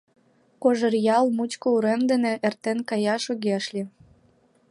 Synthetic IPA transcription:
koʒərjɑlmut͡ɕkouɾemd̪enĕʔert̪enkɑjɑʃoɣeɑʃlʲi

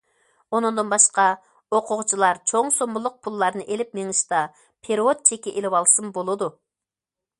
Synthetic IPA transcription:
onɨŋd̪ɨnbɑʃqɑ | oqʰʊʁt͡ʃʰilˠɑɾt͡ʃʰoŋsombulˠʊq̚pʰulˠːɑɾnɨʔelɪp̚meŋɨʃt̪ɑ | pʰeɾot̪̚t͡ʃʰekʲɛʔelɪwɑlˠsɨmbolˠɨd̪u

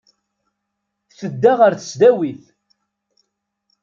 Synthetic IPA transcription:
θəd̪ːaʁəɾθə̥sd̪æwiθ

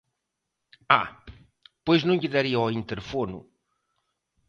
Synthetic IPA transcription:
a̰ | pojznɐ̃w̃ʎɪðaɾiɐɔĩnt̪eɾfonṵ

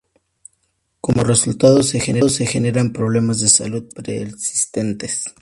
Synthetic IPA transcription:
ko̞mo̞re̞sult̪aðo̞se̞xeneðose̞xe̞ne̞ɾampɾo̞β̞le̞mazðe̞saluð̚pɾesi̥st̪ent̪e̞s

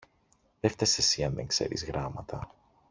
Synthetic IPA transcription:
ðeft̪esesiɐnðeŋkse̞̰ɾḭzɣɾɐmɐt̪ɐ

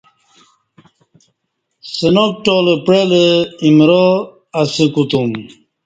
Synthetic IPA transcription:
senok̚ʈolepɾeleimɾo | ɐsikut̪um

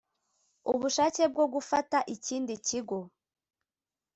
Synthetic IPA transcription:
uβuʃaːce̞b̚ɡo̞ɡufataʔiciːndiciɡo̞

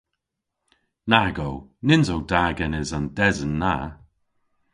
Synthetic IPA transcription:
naɡownɪnzowdaːɡɛnɪzandɛzənːa

